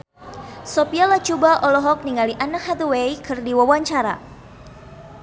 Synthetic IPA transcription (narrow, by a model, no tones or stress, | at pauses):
sopialat͡ʃubaʔɔlɔɦɔk̚niŋaliʔanakhad̪əwejkɨrdiwawaɲt͡ʃaɾa̰